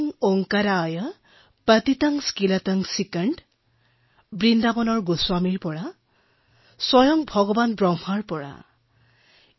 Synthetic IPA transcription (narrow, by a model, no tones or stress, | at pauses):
ŋoŋkaɾaːjə | pət̪it̪aŋskilat̪aŋsikəɳʈ | bɾind̪abɔnɔɹɡuswamiɹpɔɽa | sɔjɔŋbʱɔɡɔbanbɹɔmhaɹpɔɽa̰